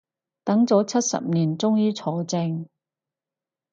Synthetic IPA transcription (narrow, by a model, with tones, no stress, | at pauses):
t̪ɐ˨˥ŋt͡sɔː˨˥t͡sʰɐ˥t̚sɐ̰˨p̚niː˨˩nt͡sʊ˥ŋjiː˥t͡sʰɔː˨˧t͡sɪ˧ŋ